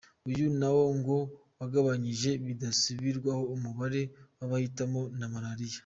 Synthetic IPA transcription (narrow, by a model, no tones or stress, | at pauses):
ujunawo̞ŋɡo̞ | waɡaβaɲiʒe̞βidasiβiɾɡwaho̞umuβaɾe̞waβahitamo̞namaɾaɾija